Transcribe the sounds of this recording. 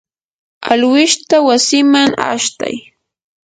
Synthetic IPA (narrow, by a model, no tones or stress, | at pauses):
alwɪʃt̪awasɪmaŋa̰ʃt̪a̰j